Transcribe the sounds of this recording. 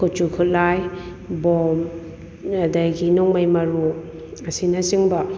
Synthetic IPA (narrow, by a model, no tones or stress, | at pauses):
kɔt͡ʃukʰut̚laj | bɔm | adajɡinɔŋmajmɐɾu | ɐsinasiŋbɐ